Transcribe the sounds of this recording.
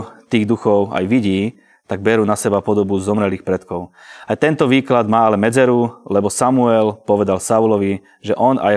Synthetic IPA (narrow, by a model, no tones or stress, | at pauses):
t̪iːɣd̪uxɔʊa̰jʋiɟiː | t̪aɡ̚bɛɾuːnasɛbapɔd̪ɔbuzɔmɾɛliːxpɾɛt̪kɔʊajt̪ɛnt̪ɔʋiːklad̪maːalɛmɛd͡zɛɾulɛbɔsamuɛlpɔʋɛd̪alsaulɔʋi | ʒɛʔɔna̰j